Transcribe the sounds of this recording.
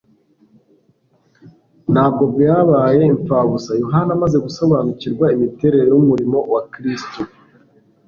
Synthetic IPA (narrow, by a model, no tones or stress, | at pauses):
n̥haːb̚ɡo̞bjaːβaːje̞iɱfaβusajoɦanamaze̞ɡuso̞βaːnuciɾɡwaimite̞ɾe̞ɾe̞jumuɾimo̞wakɾisto